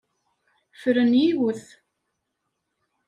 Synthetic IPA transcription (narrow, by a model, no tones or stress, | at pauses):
fəɾənjiwʊθ